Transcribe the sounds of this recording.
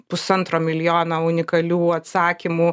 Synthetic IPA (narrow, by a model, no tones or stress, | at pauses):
pʊsɐnt̪ɾoːmʲɪlʲjoːnɐʊnʲɪkɐlʲuːɐt̪sɑːkʲɪmuː